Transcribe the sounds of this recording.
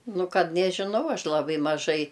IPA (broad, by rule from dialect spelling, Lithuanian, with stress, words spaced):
ˈnʊ ˈkɐt nʲɛʒʲɪˈnɐʊ ˈɐʃ lˠɐˈbɐɪ mɐˈʒɐɪ